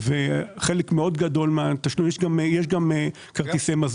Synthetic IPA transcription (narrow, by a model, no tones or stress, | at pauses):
veχe̞lekmeo̞d̪ɡad̪o̞lmeat̪aʃnujeʃɡamejeʃɡame | kaʁt̪isemaz